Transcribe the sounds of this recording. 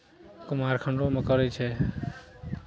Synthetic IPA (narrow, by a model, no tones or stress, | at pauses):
kʊmaɾkʰəɳɖoməkəɾet͡ʃʰe